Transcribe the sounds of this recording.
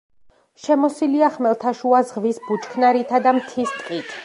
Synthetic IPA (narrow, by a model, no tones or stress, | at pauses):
ʃɛmɔsiliaχmɛlˠt̪ʰaʃuazʁvisb̥ut͡ʃʰkʰnaɾit̪ʰad̪amt̪ʰist̪ʼqʼit̪ʰ